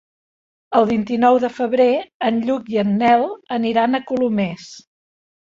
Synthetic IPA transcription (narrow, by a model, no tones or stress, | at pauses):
əlˠβint̪inɔwðəfəβɾeənʎukiənːɛlˠəniɾanəkulumɛs